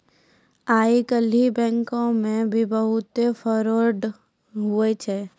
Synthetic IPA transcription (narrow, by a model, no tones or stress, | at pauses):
aːikəlibɛ̃ːŋkõmẽbʱibəɦʊt̪efʰɔɾoːɾɖ | ɦʊet͡ʃʰe